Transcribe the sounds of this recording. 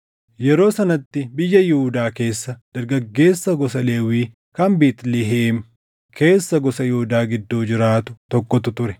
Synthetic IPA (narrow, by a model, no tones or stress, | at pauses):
jɛɾo̞ːsɐnɐt̪ːɪbɪjːɐjɪʊd̪aːke̞ːsːɐd̪̥ɐɾɡɐɡːe̞ːsːɐɡɔsɐle̞ːwiː | kɐmbiːt̪liɦeːm | kʰe̞ːsːɐɡɔsɐjɪhʊd̪aːɡɪd̪ːoːd͡ʒɪɾaːt̪ʊt̪ɔkːɔt̪ʊt̪ʊɾɛ̥